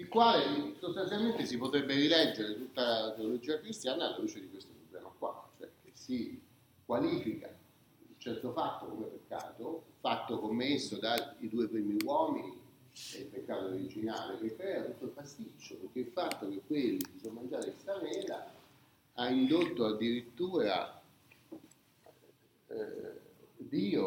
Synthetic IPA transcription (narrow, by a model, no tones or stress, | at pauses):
ilkwaːlesost̪ansjalment̪esipot̪ɾebːerilɛd͡ʒːeɾet̪ut̪ːalat̪eolod͡ʒiːakɾist̪jaːnaːlːaɾut͡ʃed̪ikwest̪opɾoblɛmakwa̰t͡ʃoɛk̟esi | kwaliːfika̰ | ilt͡ʃɛrt̪ofat̪ːokomepekːa̰ːt̪ofat̪ːokomːesːod̪aid̪uːepɾiːmiwɔːmini | d̪elpekːaːt̪oɾid͡ʒinaːlekekːɾɛːat̪ut̪ːoilpast̪it͡ʃːopeɾkːeilfat̪ːok̟ekːwelːid̪isonmand͡ʒaːɾeilsamɛːla̰ | aind̪ot̪ːoad̪ːiɾit̪ːuːɾa̰ | d̪iːo